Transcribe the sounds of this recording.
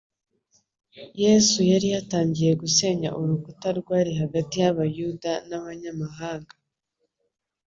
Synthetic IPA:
jesujaɾijataːɲɟije̞ɡuse̞ɲa̰ʔuɾukutaɾɡwaːɾiɦaɡatijaβajuːdanaβaɲamaɦaːŋɡa

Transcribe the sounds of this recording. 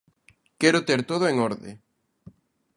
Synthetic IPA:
kɛɾʊt̪eɾt̪oð̞ʊeŋoɾðḛ

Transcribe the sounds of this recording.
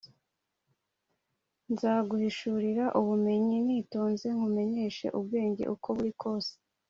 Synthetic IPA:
nzaːɡuhiʃuɾiɾaʔuβume̞ɲiniːto̞ːnze̞ŋhume̞ɲe̞ːʃe̞̰ʔub̚ɡe̞ːɲɟḛʔukʰo̞βuɾikʰo̞ːse̥

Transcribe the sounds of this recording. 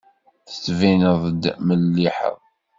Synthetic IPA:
θə̥t͡sːvinəðˤəd̪məlːiħə̰ðˤ

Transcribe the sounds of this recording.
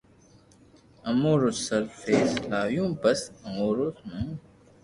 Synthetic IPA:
ɐmoːɾosːɐɾfeːslaːjũːbɐsɐmoːɾosnũ

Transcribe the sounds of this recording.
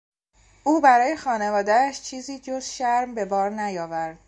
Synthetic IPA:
ʔuːbæɾɒːje̞xɒːne̞vɒːd̪ææʃt͡ʃʰiːziːd͡ʒoz̥ʃæɾmbe̞bɒːɾnæjɒːvæɾd̪̥̚

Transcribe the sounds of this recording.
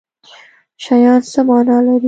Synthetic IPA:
ʃajɑːnsəmɑnɑːlaɾi

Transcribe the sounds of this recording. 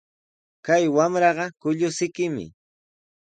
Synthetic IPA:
kajwamɾɑɢɑkʊʎʊsɪkɪmɪ̰

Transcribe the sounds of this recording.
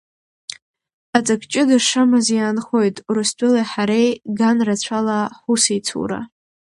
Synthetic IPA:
at͡sʼakʰʼt͡ʃʼɪdaʂamazjaːnχo̞jtʼuɾɨstʷʼʊlajħaɾejɡanrat͡ɕʷʰalaħusejt͡sʰṵɾa̰

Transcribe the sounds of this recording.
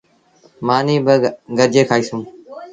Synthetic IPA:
maːniːbəɡəɾd͡ʒeːkʰaːiːsũː

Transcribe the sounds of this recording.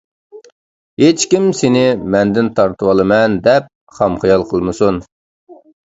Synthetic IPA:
het͡ʃkʲimsɪnɪmɛnd̪ɪnt̪ʰɑɾt̪ʰɨwɑlˠɨmɛnd̪ɛp̚ | χɑmχijɑlˠqʰəlˠmɨsun

